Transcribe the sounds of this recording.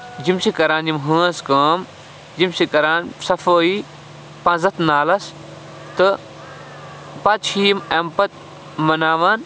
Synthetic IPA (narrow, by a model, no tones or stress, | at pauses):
d͡ʒimsikɐɾaːnd͡ʒimɦə̃ːskəːm | d͡ʒimsikɐɾaːnsɐfoːi | pãnzɐt̪ʰnaːlɐs | t̪ɨ | pɐt͡ʃʰiːmɐmpɐt̪̚ | mɐnaːʋan